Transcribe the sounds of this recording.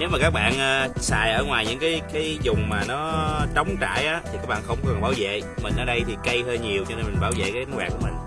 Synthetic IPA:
ne˨˦wma˨˩kaː˦˥k̚ɓa̰ː˧˨nʔəː˧sa̰ː˧˨jʔəː˧˩ŋwaː˨˩jɲɨ̰˧˥ŋkaː˨˦jkaː˨˦jzʊ˨˩ŋ͡mmaː˨˩nɔ˨˦t͡ɕɔ˨˦wŋ͡mt͡ɕa̰ː˧˨jʔaː˨˦t̪ʰi˨˩kaː˦˥k̚ɓa̰ː˧˨nxə˧wŋ͡mkɔ˧˦kə˨˩ŋɓaː˧˩wzḛ˧˨mï˨˩ŋ̟ʔəː˧˩ɗə˧jt̪ʰi˨˩kə˧jhəː˧ɲi˨˩əwt͡ɕɔ˧ne˧nmi̟˨˩ɓaː˧˩wzḛ˧˨kaː˦˧˦ŋwaː˨˩ku˧˩əmï˨˩ŋ̟

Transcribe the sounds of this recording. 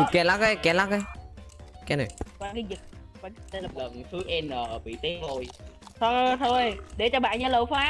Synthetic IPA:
kɛ˧˩la˦˥k̚ə˨˦kɛ˧˩la˦˥k̚ə˧˦ | kɛ˨˦nə˨˩jkwaː˧kaː˨˦jzi˨˩t̚ | waː˧˩˧lə˨˩nt̪ʰɨ˨˦ʔɛ˧nʔəː˨˩ɓḭ˧˨t̪i˦p̚lo˧˩jt̪ʰo˧t̪ʰo˧jɗe˧˩t͡ɕɔ˧ɓa̰ː˧˨nɲa˧ləː˧˨˩faː˨˦˥

